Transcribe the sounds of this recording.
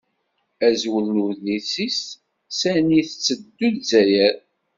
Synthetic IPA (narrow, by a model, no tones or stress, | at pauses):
æzwəlːuðisis | sæniθət͡sːəd̪ːuðzæjæɾ